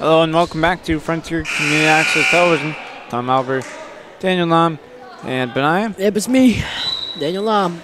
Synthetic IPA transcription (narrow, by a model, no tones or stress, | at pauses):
həloʊə̃nwɛlˠkm̩bæk̚tʰɨfɹʌ̃ntʰiɹkʰmjʉnɨɾiæksə˞tʰɛlˠəvɪʒɨ̃ntʰɑ̃mælˠbə˞t | d̥æ̃njl̩ˠnɑ̃m | ʔɨ̃nbɨnaɪɨɛbɨsmi | dæ̃njl̩ˠlɑm